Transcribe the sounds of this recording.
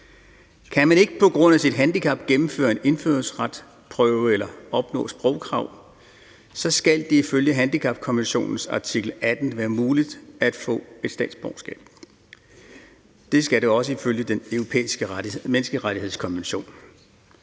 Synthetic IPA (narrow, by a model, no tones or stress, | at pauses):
kʰænmæne̝ɡ̥əpʰɒ̽ɡ̥ʁɔ̽n̰æsid̥ɦænd̥ikʰɑ̈b̥̚ɡ̥emm̩fø̰ːɐe̝ne̝nføːɐsʁɑd̥ | pʰʁœʊəelɐɒ̽b̥nɔ̰̽ːsb̥ʁɔ̽ʊkʰʁɑ̈ʊ̰ | sɒ̽sɡ̥æld̥iiføljəɦænd̥ikʰɑ̈b̥̚kʰɒ̽nʋenɕo̝̰ːnn̩sɑ̈t͡sʰiɡ̥l̩æd̥n̩ʋæːɐmuːlid̥æd̥fɔ̰̽ːe̝d̥sd̥ɛ̰ːd̥sb̥ɒʊsɡ̥ɛ̰ːb̥ | d̥e̝sɡ̥æɾeɒ̽səiføljəd̥enøʊʁo̝pʰḛːisɡ̥əmenəsɡ̥əʁaɾihe̝ð̞̰ˠskʰɒ̽nʋenɕo̝̰ːn